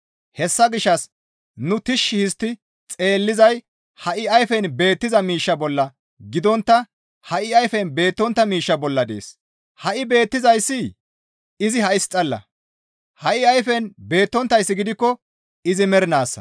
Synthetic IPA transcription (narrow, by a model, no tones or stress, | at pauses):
hɛsːɐɡɪʃːɐs | nʊt̪ɪʃːɪhɪst̪ːɪ | t͡sʼe̞ːlːɪzɐj | hɐʔɪɐjfɛnbe̞ːt̪ːɪzɐmiːʃːɐbɔlːɐ | ɡɪd̪ɔnt̪ːɐ | hɐʔɪɐjfɛnbe̞ːt̪ːɔnt̪ːɐmiːʃːɐbɔlːɐd̪ḛːs | hɐʔɪbe̞ːt̪ːɪzɐjsːɪ | ɪzɪhɐɪst͡sʼɐlːɐ̰ | hɐʔɪɐjfɛnbe̞ːt̪ːɔnt̪ːɐjsːɪɡɪd̪ɪkːɔ | ɪzɪmɛɾɪnaːsːɐ̥̰